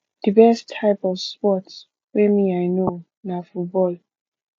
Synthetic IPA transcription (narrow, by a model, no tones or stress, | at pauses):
d̥əbɛstʰːaɪpɔvspɔts | wɛmiaɪno | nafut̚bɔl